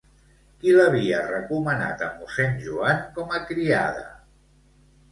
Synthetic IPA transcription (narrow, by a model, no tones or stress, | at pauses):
kiləβ̞iərəkuməna̰t̪əmusɛnʲʒuaŋkɔməkɾia̰ð̞ə̰